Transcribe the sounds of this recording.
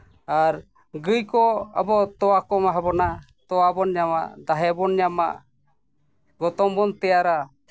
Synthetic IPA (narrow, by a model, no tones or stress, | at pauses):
aɾ | ɡɯjkɔa̰bɔt̪ɔwakɔmaɦabɔna | t̪ɔwabɔnɲama̰ʔd̪aɦɛbɔnɲama̰ʔ | ɡɔt̪ɔmbɔnt̪ɛjaɾa